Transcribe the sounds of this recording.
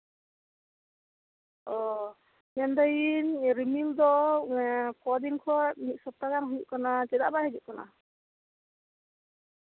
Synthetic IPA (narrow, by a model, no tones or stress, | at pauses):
ɔ | nɛnd̪ajinɾimild̪ɔ | kɔd̪iŋkʰɔtnit̪̚sɔp̚t̪aɡanɦujuʔkanat͡ʃɛd̪a̰ʔbaɦɛd͡ʒuʔkana̰